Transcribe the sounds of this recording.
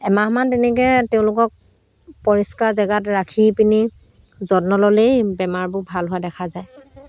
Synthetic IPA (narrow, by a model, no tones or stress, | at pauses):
ɛmaɦmantɛnɛk̬ɛtɛʊ̃lʊkɔk̚ | pɔɹiskaɹzɛɡatɹakʰipini | zɔdnɔlɔlejbɛmaɹbʊbʱalɦʊadɛkʰazaj